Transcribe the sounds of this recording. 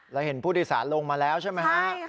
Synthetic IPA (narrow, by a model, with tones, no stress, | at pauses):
ɾa˧wɦe˩˦npʰuː˥˩t̪iː˥˩sa̰ː˩˦nlo˧ŋmaː˧lɛː˦˥wt͡ɕʰa˥˩jm˦˥ka˦˥